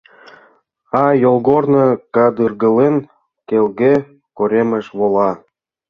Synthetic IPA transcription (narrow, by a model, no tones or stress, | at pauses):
ɑjolˠɣornɤkɑd̪ɯrɣə̆len | kelɡe | koɾʲemə̆ʃβolˠɑ